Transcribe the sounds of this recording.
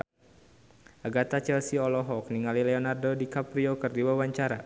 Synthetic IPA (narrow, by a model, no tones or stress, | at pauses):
ʔaɡat̪at͡ʃɛlsiɔlɔɦɔk̚niŋalilɛɔnardodikapɾiokɨrdiwawaɲt͡ʃaɾa